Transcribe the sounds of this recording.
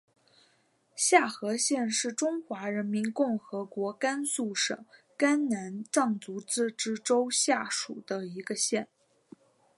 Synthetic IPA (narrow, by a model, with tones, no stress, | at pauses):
ɕja˥˩xɤ˧˥ɕjɛ˥˧nʂɻ̩˥˩ʈ͡ʂʊ˥ŋxwa˧˥ɻə˧˥nmi˧˥nkʊ˥˩ŋxɤ˧˥kwɔ˧˥ka˥nsu˥˩ʂɤ̰˨˩˦ŋ | ka˥nna˧˥nt͡sɑ˥˩ŋt͡su˧˥t͡sɹ̩˥˧ʈ͡ʂɻ̩˥ʈ͡ʂo˥ʊɕja˥˩ʂu˨˩d̪̥ə˦i˧˥ɡə˧ɕjɛ˥˩n